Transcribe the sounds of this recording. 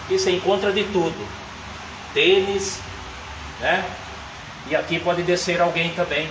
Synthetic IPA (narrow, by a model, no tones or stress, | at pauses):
ɪsẽkõnt̪ɾɐd̪ɪt̪ud̪ʊ | t̪ẽnis | nɛ | ɪakipɔd̪ɪd̪eseɾawɡẽj̃t̪ɐ̃mbẽj̃